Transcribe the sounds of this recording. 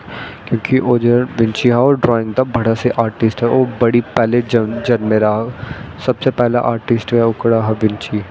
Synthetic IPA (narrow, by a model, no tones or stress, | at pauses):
kjõːkiʔoːd͡ʒɐnʋɪ̃ɲt͡ʃiɦɛɔːɾɖɾɔːɪ̃ŋɡd̪abɐɽaseʔaːɾʈɪsʈɦɛoːbɐɽipɛːled͡ʒnd͡ʒɐnmẽɾaɦasɐbsepɛɦla̰ʔaːɾʈɪsʈɛʊkɽaɦɛʋɪ̃nt͡ʃi